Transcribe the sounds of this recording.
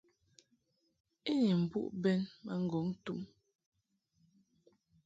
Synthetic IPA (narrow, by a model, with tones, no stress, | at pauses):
e˦ɲi˨m̩˨pṵ˦ʔbɛ˦nma˦ŋ̩˦ɡɔ˨˦ŋ˦tu˦m